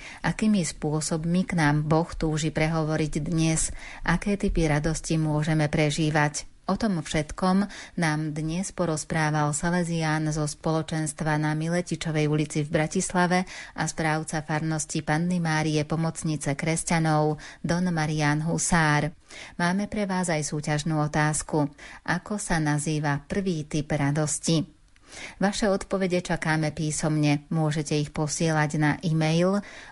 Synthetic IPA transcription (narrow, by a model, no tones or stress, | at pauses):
ʔakiːmispʊɔsɔbmiknaːmbɔxt̪uːʒipɾɛɦɔʋɔɾiɟd̪ɲɛzʔakɛːt̪ipiɾad̪ɔscimʊɔʒɛmɛpɾɛʒiːʋac | ɔt̪ɔmfʃɛt̪kɔmnaːmd̪ɲɛspɔɾɔspɾaːʋalsalɛziaːnzɔspɔlɔt͡ʃɛnst̪ʋanamilɛcit͡ʃɔʋɛjulit͡sivbɾacislaʋɛʔaspɾaːʊt͡safaɾnɔscipanːɛmaːɾiɛpɔmɔt͡sɲit͡sɛkɾɛscanɔʊd̪ɔnmaɾiaːnɦusaːɾ | maːmɛpɾɛʋaːzajsuːcaʒnuːɔt̪aːskuʔakɔsanaziːʋapr̩ʋiːt̪ipɾad̪ɔsci | ʋaʃɛɔt̪pɔʋɛɟɛt͡ʃakaːmɛpiːsɔmɲɛmʊɔʒɛcɛixpɔsɪɛlaɟnaʔimɛjl